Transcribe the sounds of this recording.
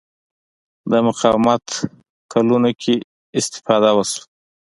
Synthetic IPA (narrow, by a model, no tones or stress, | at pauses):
d̪əmʊqɑwmat̪ | kʰalunokʲʰe | ɪst̪ɪ̥fɑd̪awasu̥